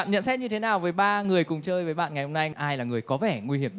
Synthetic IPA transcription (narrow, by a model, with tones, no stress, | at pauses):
a̰ː˧˨nɲə̰˧˨nsɛ˧˥ɲɨ˧t̪ʰe˨˦naː˨˩wvəː˨˦jɓaː˧ŋɨ˨˩əjkʊ˨˩ŋ͡mt͡ɕəː˧jvəː˨˦jɓa̰ː˧˨ŋa˨˩jho˧na˧jʔaː˧jlaː˨˩ŋɨ˨˩əjkɔ˨˦vɛ˧˩ŋwi˧hi˧˩əɗ